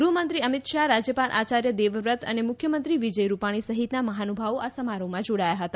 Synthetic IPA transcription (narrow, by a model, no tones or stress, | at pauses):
ɡɾuɦmənt̪ɾiəmit̪ʃaɾad͡ʒəpanʔat͡ʃaɾjəd̪eʋʋɾət̪ʰə̰nemʊkʰjəmənt̪ɾiʋid͡ʒəjɾupaɽ̃isəɦit̪naməɦanubʱaʋoʔasəmaɾomãd͡ʒoɽajaɦət̪a